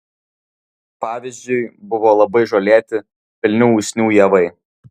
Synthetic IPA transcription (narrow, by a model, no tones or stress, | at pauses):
pɑːʋʲɪzʲd͡ʒʲʊɪbʊʋoːlˠɐbɐɪʒoːlʲeːt̪ʲɪ | pʲɪlʲnʲuːuːsʲnʲuːjɛʋɐɪ